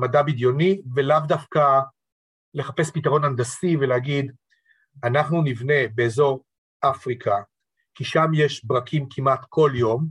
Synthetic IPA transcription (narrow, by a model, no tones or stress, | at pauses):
madabid̪jo̞nivelavdafka | le̞χapespitaʁo̞nandasivelehaɡid | anaχnunivne̞be̞ːzo̞ʁ | ʔafʁikʰa | kiʃamjeʃbʁakʰimkʰimat̪kʰo̞ljo̞m